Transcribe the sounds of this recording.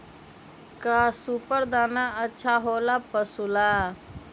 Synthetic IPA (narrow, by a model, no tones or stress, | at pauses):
kaːsupəɾd̪aːnaːətːʃʰaːɦoːlaːpəsulaː